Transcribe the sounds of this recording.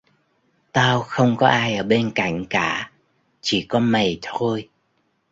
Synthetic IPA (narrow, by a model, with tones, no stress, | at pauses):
t̪aː˧wxə˧wŋ͡mkɔ˨˦ʔaː˧jʔəː˧˩ɓe˧nka̰˧˩˨jŋ̟kaː˧˩˨ | t͡ɕi˧˩kɔ˨˦mə˨˩jt̪ʰo˧j